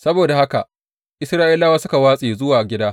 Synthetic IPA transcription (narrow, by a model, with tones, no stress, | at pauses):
sɐ˦boː˨da˨ha˦ka˨ | ʔɪ˦sɾaː˦ʔɪ˦laː˦waː˦sʊ˦ka˨waː˦sʼeː˨zʊ˦waː˨ʔa˨ɡʲɪ˦daː˦